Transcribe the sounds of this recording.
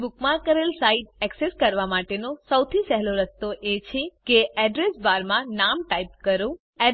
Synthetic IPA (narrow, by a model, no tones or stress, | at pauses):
bukmãkəɾelsaiʈ̚ɛkseskəɾʋamaʈenosəwt̪ʰisɛɦloɾəst̪oʔet͡ʃʰekeʔɛɖɾesbaɾmãnamʈaip̚kəɾũ | ɛ